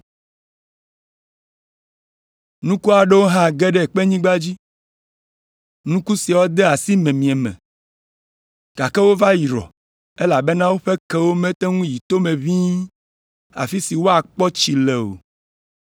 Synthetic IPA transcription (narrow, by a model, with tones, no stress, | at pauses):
nũ˦ku˦a˨ɖɛ˦wo˦ɦã˦ɡɛ˦ɖɛ˦˨k͡pɛ˦ɲĩ˦ɡ͡ba˦d͡ʑi˦ | nũ˦ku˦si˨a˨wo˦d̪ɛ˦a˨si˦mɛ̃˨mĩ˨ɛ˨mɛ̰̃˨ | ɡ̥a˨kɛ˦wo˦va˦ji˨ɾɔ̰˨ | e˦la˨bɛ˦nã˦wo˦ɸɛ˦kɛ˦wo˦mɛ̃˦t̪ɛ˦ŋũ˦ji˨t̪o˦mẽ˨vĩ˦ | a̰˨fi˦si˨wo˦a˨k͡pɔ˦t͡ɕi˨lɛ˨o̰˨